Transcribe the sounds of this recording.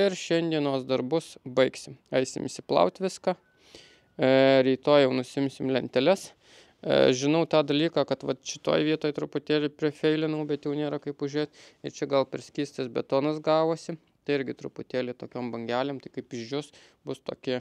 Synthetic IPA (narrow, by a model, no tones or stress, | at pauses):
ɪɾʃʲɛnʲd̪ʲiɛnoːsd̪ɐrbʊsbɐɪksʲɪmɐɪsʲɪ̰mɪsʲɪplˠɐ̰ʊt̪ʲʋʲɪskɑː | ɾʲiːt̪oːjjɛʊnʊsʲɪɪmʲsʲɪmlʲɛnʲt̪ʲɛlʲɛs | ʒʲɪnɐʊt̪ɑːd̪ɐlʲiːkɑːkɐt̪ʋɐt̪ʃʲɪ̥t̪o̰ːjʋʲiɛt̪oːjt̪ɾʊpʊt̪ʲeːlʲɪpʲɾʲɪfʲɛɪlʲɪnɐʊbʲɛt̪jɛʊnʲeːɾɐkɐɪpʊʒʲɾeːt̪ɪɾt͡ʃʲɛɡɐlˠpʲɛɾʲsʲkʲiːsʲt̪ɐsbʲɛt̪oːnɐsɡɑːʋoːsʲɪ | t̪ɐɪɪɾʲɡʲɪt̪ɾʊpʊt̪ʲeːlʲɪt̪oːkʲoːmbɐŋʲɡʲæːlʲeːmt̪ɐɪkɐɪpɪʒd͡ʒʲʊs | bʊst̪o̰ːkʲɪ